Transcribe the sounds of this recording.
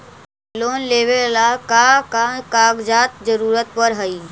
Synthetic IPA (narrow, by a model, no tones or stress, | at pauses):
loːnleːʋelakakakaːɡd͡ʒaːt̪̚zəɾuːɾət̪pəɾɦəiː